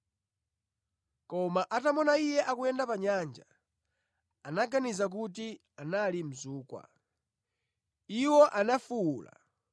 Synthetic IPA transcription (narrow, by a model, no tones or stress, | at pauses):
kɔmaʔatamɔnaijɛʔakuɛndapaɲand͡ʒa | anaɡanizak̬ut̬i | analim̩zuːkwa̰ | iwɔʔanafuuːla̰